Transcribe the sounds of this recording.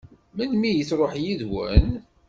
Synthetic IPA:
mənmijət͡sːɾˤoħjiðwə̰n

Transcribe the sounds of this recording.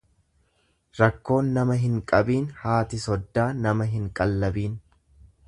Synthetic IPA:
ɾɐkːo̞ːnːɐmɐɦɪŋkʼɐbiːnhaːt̪ɪsɔd̪ːaːnɐmɐɦɪŋkʼɐlːɐbiːn

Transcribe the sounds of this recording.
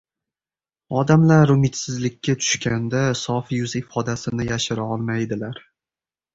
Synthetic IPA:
ɒd̪amlaɾʊmɪt̪sɪzlɪkʲʰːat̪ʰʊ̥ʃkʲand̪asɒfjʊzɪfɒd̪asɪnɪjaʃɪɾaɒlˠmajd̪ɪlaɾ

